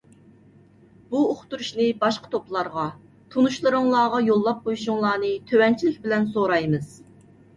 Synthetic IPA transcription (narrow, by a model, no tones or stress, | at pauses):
b̥uoχt̪uɾuʃnɨbɑʃqə̥t̪ʰoplˠɑɾʁɑ | t̪ʰunuʃlˠɨɾɨŋlˠɑːʁɑjolˠːɑp̚qʰojuʃuŋlˠɑːnɨt̪ʰøwɛnt͡ʃʰilɪkʲbɪlɛnsoɾɑjmɨz̥